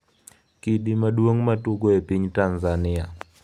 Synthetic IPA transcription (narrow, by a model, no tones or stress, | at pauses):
kiɗimadwoŋmatuɡoepiɲtanzanɪa